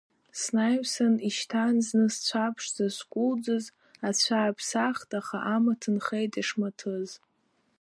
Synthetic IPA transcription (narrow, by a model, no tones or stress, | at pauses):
snajmsaniʃtʰanznɨst͡ɕʷʰapʰʂzaskʷʼʊld͡zɨz | at͡ɕʷʰaːpʰsaχtʼaχaʔamatʰɨnχejtʰʼaʂmatʰɨz